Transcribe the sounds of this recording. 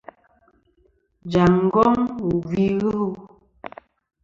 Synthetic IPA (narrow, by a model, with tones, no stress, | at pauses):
d͡ʒa˨ŋ˨˦ɡɔ˦ŋu˨vi˦ɣə˦hu˦